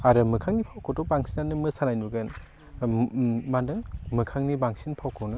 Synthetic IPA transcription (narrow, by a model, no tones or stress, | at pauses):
aɾɯmɯkʰaŋnipʰawkʰowtɔbaŋsinanɯmɯsanajnuɡɯn | mandɯmɯkʰaŋnibaŋsinpʰawkʰɔwnɯ